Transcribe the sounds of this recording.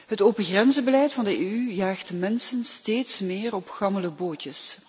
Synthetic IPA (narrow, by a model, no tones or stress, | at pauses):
ɦətoːpəɣrɛnzəbəlɛjtfɑndəeyjaːxtmɛnsənsteːtsmɪːrɔpxɑmələboːtəs